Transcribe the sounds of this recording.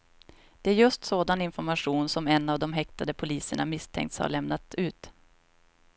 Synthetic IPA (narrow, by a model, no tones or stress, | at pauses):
d̪̥ɛæɾjɵst̪soːd̪anɪnfɔɾmaɧuːnsɔmɛnːavd̪ɔmɦɛk̚t̪ad̪əpʰʊliːsəɳa̰mɪst̪ʰɛ̰ŋkt̪sha̰ɭɛmnat̪ʉ̟ːt̪